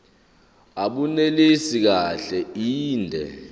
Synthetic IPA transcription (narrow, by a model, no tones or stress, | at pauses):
aɓunelesik̬aɬɛiːndʱɛ̰